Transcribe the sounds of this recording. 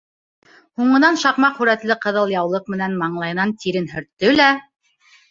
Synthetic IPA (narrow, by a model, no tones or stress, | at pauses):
huɴɤ̆nɑnʃɑqmɑqχʉɾæt̪lɘqɤ̆ðɤ̆lˠjɑwlˠɤq̚mɘ̆nænmɑɴlˠɑjnɑnt̪iɾɘnɦɵ̆ɾt̪ːɵlæ